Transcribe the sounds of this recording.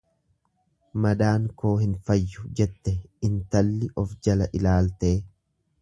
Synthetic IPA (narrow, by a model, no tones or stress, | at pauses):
mɐd̪aːŋko̞ːhɪnfɐjːʊd͡ʒɛt̪ːɛɪnt̪ɐlːɪʔɔfd͡ʒɐlɐʔɪlaːlt̪e̞ː